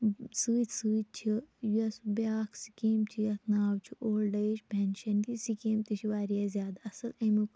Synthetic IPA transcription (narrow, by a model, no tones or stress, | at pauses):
sɨːt̪ʲsɨːt̪̚t͡ʃʰijuɐsubaːkʰsi̥kiːmt͡ʃʰiɐt̪ʰnaːwt͡ʃʰiʔoːlɖɐːʃpenʃɐnt̪isikeːmt̪it͡ʃʰiʋaːɾijaːzʲjaːd̪aɐsɐlɐmuk